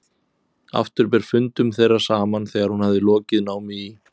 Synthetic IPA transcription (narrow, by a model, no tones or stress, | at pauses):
a̰ft̪ʏɾp̬ɛɾ̥fʏnt̪ʏmθejrːḁsaːmanθɛːɣaɾhunhavðɪlɔːcɪðnaːwmɪi